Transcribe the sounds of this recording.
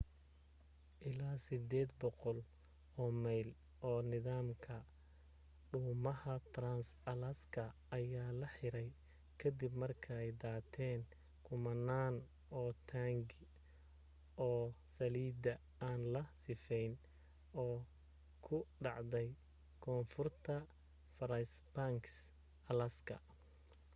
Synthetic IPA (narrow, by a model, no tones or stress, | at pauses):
ʔɪlaːsɪd̪ɛːd̪bɔqɔl | ɔːmɛjl | ʔɔːnɪðaːmkʰɐ | ɖʊːmɐhɐt̪ɾansɐlɐskʰɐː | jaːlɐħɪɾɛj | kʰɐd̪ɪbmɐrkʰɐɛjd̪aːt̪ʰɛːn | kʰʊmɐnːaːn | ɔːt̪ʰaːŋɡ | ʔɔːsɐliːd̪ɐ | aːnlɐsɪfɛjn | ɔː | kʰʊɖɑʕd̪ɛj | kʰɔːnfʊrt̪ʰɐ | fɐɾɐsbaŋks | ɐlɐskʰɐ̰